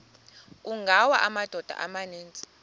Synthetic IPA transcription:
uŋɡʱawaʔamad̥ʱɔd̥ʱa̰ʔamaneːnt͡sʼi̥

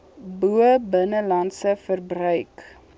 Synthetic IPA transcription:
buəbənəlɐnsəfərbrœɥk

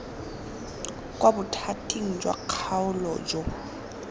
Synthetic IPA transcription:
kʼwabʊtʰatʼiŋ̩d͡ʒwa̰q͡χʰaʊlɔd͡ʒɔ

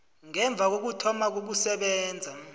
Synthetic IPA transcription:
ŋɛɱb̪vʱak̬ok̬utʰɔmak̬uɓusɛɓɛːnd͡zʱa

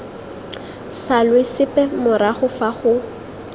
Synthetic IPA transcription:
salwɪsɪpʼɛmʊɾaχʊfaχʊ

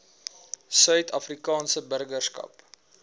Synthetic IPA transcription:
sœɥtɐfrikɑːnsəbərɡərskɐ̰p

